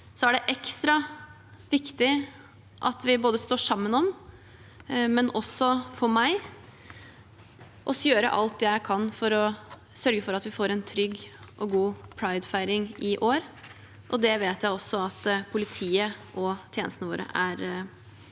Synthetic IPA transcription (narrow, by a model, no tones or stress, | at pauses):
sɔæɖɛʔɛkst̪ɾɑ | ʋɪkt̪ɪ | ʔɑt̪ʋɪboːd̪əst̪oːʂɑmːənɔm | mɛnɔsːɔfɔɾmæɪ | ʔɔsjøːɾə̰ʔɑ̰lt̪̚d̪ɛːjæɪkʰɑnːfɔɾɔsœɾɡəfɔɾɑt̪ʋɪfoːɾɛnt̪ʰɾʏɡːʔɔɡuːpʰɾɑɪd̪fæɪɾɪŋɪʔoːɾ | ʔɔd̪ɛʋeːt̪jæɪɔsːɔɑt̪pʰʊlɪt̪ʰiːəʔɔt̪ʰjeːnəst̪nəʋo̰ːɾə̰ʔæɾ